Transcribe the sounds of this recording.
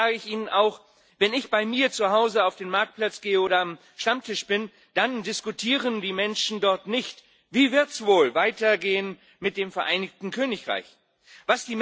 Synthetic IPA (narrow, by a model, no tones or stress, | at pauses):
aːɡəɪçʔiːnənʔaʊx | vɛnɪçb̥aɪmiːɐt͡suhaʊzəaʊfd̥eːnmaɐk̚t̚pl̥at͡sɡ̥eːəoːɾɐam | ʃtamtʰɪʃb̥ɪn | d̥andɪskutʰiːʁəndiːmɛnʃn̩dɔɐtnɪçt | v̥iːvɪɐtsv̥oːlvaɪtɐɡeːən | mɪt̚d̥eːmfɛɐʔaɪnɪçtn̩kʰøːnɪçʁa̰ɪç | v̥asd̥iːm